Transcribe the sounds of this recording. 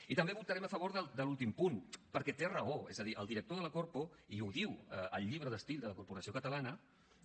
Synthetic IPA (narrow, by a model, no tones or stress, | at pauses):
it̪əmbeβut̪əɾɛməfəβ̞oɾðəld̪əlulˠt̪impunpəɾkɛt̪erəoɛ̰zəðiʔə̰lˠd̪iɾək̚t̪oðələkoɾpo | iuðiwəə̰lˠʎːiβ̞ɾəðəst̪ilˠd̪ələkuɾpuɾəsiokət̪əlanə